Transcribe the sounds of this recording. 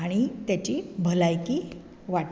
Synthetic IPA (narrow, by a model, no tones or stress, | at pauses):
aɽ̃it̪jat͡ɕibʱəlajki | ʋaʈ